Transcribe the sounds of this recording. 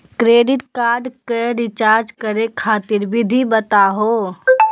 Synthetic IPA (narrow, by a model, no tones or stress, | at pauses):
kɾeːɖɪʈkaːɾɖkeɾɪt͡ʃaːɾd͡ʒkəɾekʰaːt̪ɪɾbɪd̪ʱibət̪aɦoː